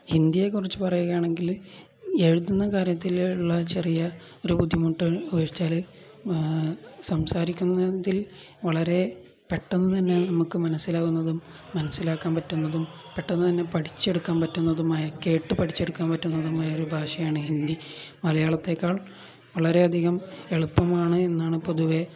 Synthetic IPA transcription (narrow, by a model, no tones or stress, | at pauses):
hind̪ijekːurit͡ɕːɨpɐrɐjuɣɐjaːɳe̞ŋɡil | e̞ɻuðunːɐkaːɾjɐt̪ːiluɭːɐt͡ɕe̞rijɐ | o̞ɾupud̪ʱːjimuʈːɨujɐɻt͡ɕːaːlɨ | sɐmsaːɾikʲːunːɐðil | ʋɐɭɐɾe̞ | peʈːɐnːɨt̪ɐnːe̞nɐmukːɨmɐnɐsːilaːɣunːɐðumː | ɐnɐsilaːkːaːmpɐtːunːɐðum | peʈːɐnːɨt̪ɐnːe̞pɐʈi̥t͡ɕːe̞ɽukːaːnpɐtːunːɐðumaːjɐke̞ːʈːɨpɐʈʰit͡ɕːe̞ɽukːaːnpɐtːunːɐðumaːjɐo̞ɾubʱaːʂɐjaːɳɨhind̪iʋɐlɐjaːɭɐt̪ːe̞kːaːɭ | ʋɐɭɐɾe̞ɐd̪ʱiɣɐme̞ɭupːɐmaːɳɨenːaːɳɨpoðuʋe̞